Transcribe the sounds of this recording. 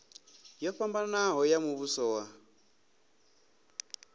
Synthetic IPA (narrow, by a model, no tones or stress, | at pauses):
jɔɸambanaɦɔjamuβusɔwa